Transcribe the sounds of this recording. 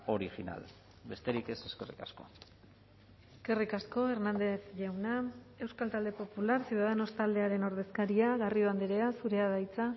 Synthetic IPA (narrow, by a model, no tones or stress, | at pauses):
o̞ɾiʝina̰l | be̞st̪e̞ɾike̞seskerḭkasko̞ | eske̞rikasko̞e̞ɾnand̪e̞θʝawna | e̞wskalt̪ald̪e̞po̞pulaɾsiuð̞aðeno̞st̪ald̪eaɾe̞no̞ɾð̞e̞skaɾiaɣario̞and̪iɾe̞asuɾe̞aðajt͡sa